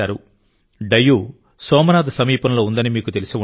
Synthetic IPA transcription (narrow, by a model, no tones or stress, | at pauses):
aːɾu | ɖɐjːu | sɔːmɐnaːd̪ɐsɐmiːpɐnɐlo̞ːund̪ɐnimiːkut̪e̞lisiu